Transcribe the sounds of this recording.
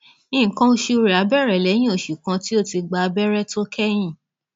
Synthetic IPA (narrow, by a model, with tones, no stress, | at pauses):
ĩ˦˨kã˦o˧ʃi˧o˧ɾi˨a˨˦bɛ˦˨ɾɛ˨lɛ˨˦j̃ĩ˦o˦˨ʃu˨kã˧ti˦o˦ti˧ɡ͡ba˧a˧bɛ˦ɾɛ˦to˦kʰɛ˦j̃ĩ˦˨